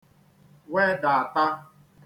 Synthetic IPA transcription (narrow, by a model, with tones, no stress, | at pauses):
we˦da˨a˨ta˦